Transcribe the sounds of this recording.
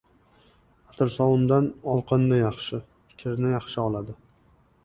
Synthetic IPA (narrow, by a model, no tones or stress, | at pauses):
at̪ʰɪɾsɒwʊnd̪anɒlˠqʰɨnːɪjɑχʃɪ | kʲʰɪɾnɪjɑχʃɪɒlˠad̪ɪ